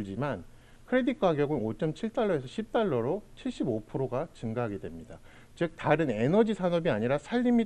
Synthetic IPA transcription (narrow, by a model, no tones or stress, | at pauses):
d͡ʑiman | kʰɯɾe̞dik͈̚ʰwaɡjʌɡɯnot͡ɕ͈ʌmt͡ɕʰiɭt͈aɭːʌe̞sʰʌɕʰip̚t͈aɭːʌɾot͡ɕʰiɭɕ͈ibopʰɯɾoɡat͡ɕɯŋɡaɦaɡe̞dwe̞mɲida | t͡ɕɯk̚taɾɯne̞nʌd͡ʑisʰanʌbiaɲiɾasʰaʎːimi